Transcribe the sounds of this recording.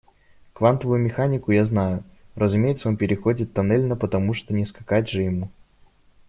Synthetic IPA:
kvant̪əvʊjʊmʲɪxanʲɪkʊjaznajʊrəzʊmʲejɪt̪səo̞npʲɪɾʲɪxo̞dʲɪt̪ːɐnɛlʲnəpət̪ɐmuʂt̪onʲɪskɐkatʲʐɨjɪmu

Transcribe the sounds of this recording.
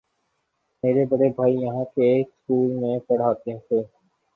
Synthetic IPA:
meːɾebɐɽebʱaːijəɦãkeːkskuːlmẽpɐɽ̤aːt̪eɦt̪ʰeː

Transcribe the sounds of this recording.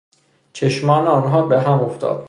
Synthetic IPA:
t͡ʃʰeʃmɒːneɒːnɦɒːbeɦæmoft̪ɒ̰ːd̪̥

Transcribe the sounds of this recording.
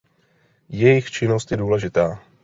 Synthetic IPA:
jɛjɪxt͡ʃɪnost̪jɛduːlɛʒɪt̪aː

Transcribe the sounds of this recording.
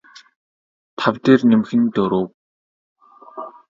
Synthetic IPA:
t̪ʰawt̪eːrnemxɘ̆nt̪ɵɾoːk

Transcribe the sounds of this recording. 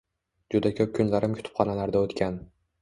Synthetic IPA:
d͡ʒʊd̪akʲʰɵp̚kʲʰʊnlaɾɪmkʲʰʊ̥t̪ʰʊ̥pχɒnalaɾd̪aot̪kʲʰan

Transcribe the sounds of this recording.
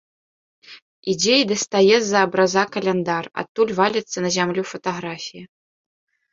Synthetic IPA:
id͡zʲeid̪ɐst̪ajɛzɐːbɾazakɐlʲɛnd̪ara̰t̪ːulʲvalʲɛt̪sːɐnɐzʲamlʲufɐt̪aɣɾafʲijɐ

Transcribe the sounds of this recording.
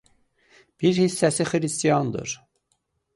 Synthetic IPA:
b̥iɾhisːæsixɾist̪ijɑnd̪ɯ̰ɾ

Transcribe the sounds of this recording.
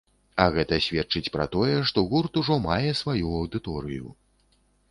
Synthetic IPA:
ɐɣɛt̪ɐsʲvʲɛtt͡ʂɨt͡sʲpɾɐ̰t̪ɔjɛʂt̪ɔɣurt̪uʐɔmajɛsvajuɐwd̪ɨt̪ɔɾɨjṵ

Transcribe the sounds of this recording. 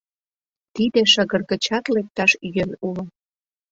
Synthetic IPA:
t̪id̪eʃəɣərɣə̆t͡ɕɑt̪lek̚t̪ɑʃjønulŏ

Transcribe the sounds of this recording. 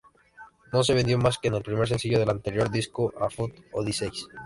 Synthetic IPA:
no̞s̬e̞βe̞nd̪jo̞maskene̞lpɾime̞ɾs̬e̞nsiʝoð̞e̞lant̪e̞ɾjo̞ɾðiskoʔafut̪oðisejs

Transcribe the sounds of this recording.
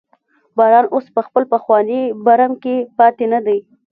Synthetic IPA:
bɑɾɑnospəxpəlpəxwɑnibaɾamkepɑt̪enad̪aj

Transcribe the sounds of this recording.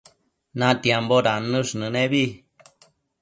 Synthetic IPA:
nãt̪jamboɾanɨ̃ʂnɨ̃nẽβi

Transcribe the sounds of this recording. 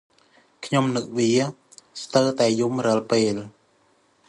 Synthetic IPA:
kʰɲomnɨk̚ʋiə | st̪əwt̪aɛjumrɑəlpeːl

